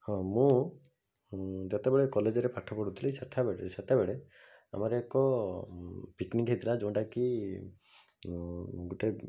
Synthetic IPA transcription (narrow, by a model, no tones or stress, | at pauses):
hɔ̃mũ | d͡ʒat̪ebeɭekɔled͡ʒɔɾepʰaʈʰːɔpɔɽut̪ʰilɛsat̪ʰabeesat̪ebeɭe | a̰maɾeːkɔ | pikniŋkɦet̪ilad͡ʒɔ̃ʈaki | ɡuʈe